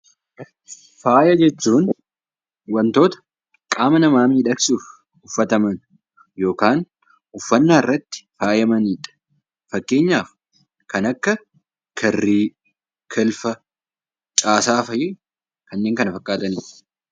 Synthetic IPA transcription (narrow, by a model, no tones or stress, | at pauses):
faːjɐd͡ʒɛt͡ʃːuːn | wɐnt̪o̞ːt̪ɐ̥ | kʼaːmɐnɐmaːmiːᶑɐksuːf | ʊfːɐt̪ɐmɐn | jo̞ːkaːn | ʊfːɐnːaːɪrːɐt̪ːɪ̥faːjɐmɐniːᶑɐ̥ | fɐkːe̞ːɲːaːf | kɐnɐkːɐ | kʰɐrːiː | kʰɛlfɐ | t͡ʃʼaːsaːfɐjɪ | kɐnːeːŋkɐnɐfɐkʼːaːt̪ɐniːᶑɐ̥